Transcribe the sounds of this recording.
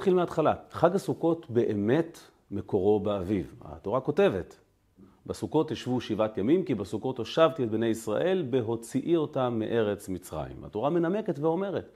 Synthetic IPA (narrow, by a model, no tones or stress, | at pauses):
tχilmeat̪χalaχaɡhasuko̞tbe̞ʔeme̞t | me̞ko̞ʁo̞beaviva̰to̞ʁako̞te̞ve̞t | basuko̞tjiʃvuʃivatjamimkibasuko̞toʃavtiet̚bne̞jisʁa̰ʔe̞lbeɦo̞t͡siʔio̞tamːeʔe̞ʁe̞t͡smit͡sʁa̰jḭma̰to̞ʁame̞name̞ketveo̞me̞ʁe̞t